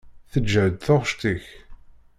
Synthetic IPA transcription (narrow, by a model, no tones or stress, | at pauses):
θəd͡ʒːəʕd̪θʊʁʃt̪iç